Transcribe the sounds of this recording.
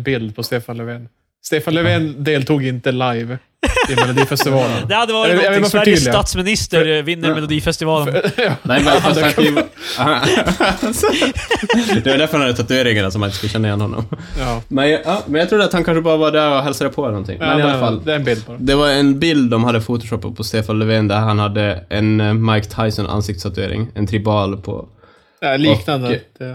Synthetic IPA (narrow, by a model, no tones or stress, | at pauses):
bɪld̪pʰɔst̪eːfanlɛveːn | st̪eːfanlɛveːnd̪eːlt̪ʰuːɡɪnt̪əlajv | ɪmɛlʊd̪iːfɛst̪ɪvɑːlənd̪ɛhad̪ːəvɑːɾɪjavɾlɪt̪at̪smɪnɪst̪əɾvɪnːəɾmɛlʊd̪iːfɛst̪ɪvɑːlːɛɪmɛnfa | d̪ɛvad̪æɾfœɾhanad̪ət̪ʰat̪ʉeːɾɪŋanasɔmhanɪnə̥skɵlːəɕɛnːaɪjɛ̰nːhɔnːɔ̰mmɛnjɑːmɛnjɑt̪ʰɾuːɖ̪at̪hankʰanʂəbɑːɾavɑɖæɾɔɦɛlsad̪əpʰɔɛlnɔnt̪ʰɪ̰ŋːmɛnɪalːafalːd̪bɪld̪̚d̪ɛvaɾɛnbɪld̪ːɔmhad̪ːəfut̪ʊʂɔpːə̰pʰɔst̪eːfanlɛveːnd̪æɦanhad̪ːəʔɛnmaɾkt̪ʰaɪjsɔnʔa̰nsɪk̚t̪st̪ʰat̪ʉeːɾɪ̰ŋɛ̰nt̪ʰɾɪbɑːlpʰɔ̰ | liːknand̪ə